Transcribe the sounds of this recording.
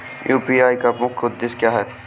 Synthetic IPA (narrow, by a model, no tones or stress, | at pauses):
jʔuːpiaːikɐpõkʰːʊd̪d̪ɪskjaːɦɛː